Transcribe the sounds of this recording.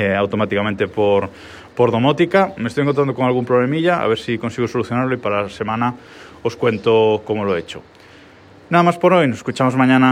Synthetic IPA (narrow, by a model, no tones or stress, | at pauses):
awt̪omat̪ikamẽnt̪epoɾ | poɾðo̞mot̪ikamest̪ojeŋkont̪ɾanokoŋalɣumpɾoβlemiʎaa̰βeɾsiko̞nsiɣosoluθjonaɾloipaɾase̞mãna | oskwe̞nt̪okomoloet͡ʃo̰ | naðamaspoɾojnoseskut͡ʃamozmaɲãna